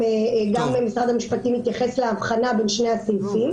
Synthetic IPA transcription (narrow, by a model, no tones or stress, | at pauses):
eɡamemisʁad̪amiʃpat̪imit̪jaχe̞sleavχanabe̞nʃne̞asilfim